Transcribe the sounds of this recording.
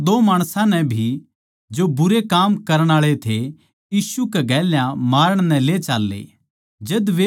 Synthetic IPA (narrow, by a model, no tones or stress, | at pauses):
d̪oːmaːɽ̃sãnɛbʱi | d͡ʒobʊɾekaːmkɐɾəɽ̃aːɭet̪ʰe | jiːsukɛɡɛːljãmaːɾəɽ̃nɛ̃let͡ʃaːlːḛ | d͡ʒɐd̪ʋe